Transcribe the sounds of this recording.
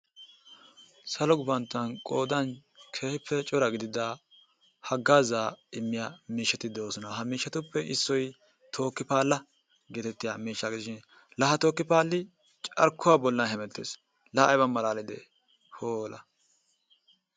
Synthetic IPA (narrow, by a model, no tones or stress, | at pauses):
sɐlɔɡʊbɐnt̪ːɐnkʼoːd̪ɐnkʰe̞ːhɪpʰːɛt͡ʃʼɔɾɐɡɪd̪ɪd̪a | hɐɡːaːzaːɪmːɪjamiːʃːɐt̪ɪd̪oːsɔnɐɦɐmiːʃːɐt̪ʊpːɛʔɪsːɔj | t̪ʰo̞ːkːɪpaːlːɐ | ɡeːt̪ɛt̪ːɪjamiːʃːɐɡd̪ɪʃɪn | lɐɦɐt̪o̞ːkːɪpaːlːɪ | t͡ʃʼɐ̰ɾkːʊwabɔlːɐnɦɛmɛt̪ːeːs | lɐɐjbɐnmɐlaːlɪd̪ḛ | hoːlɐ̰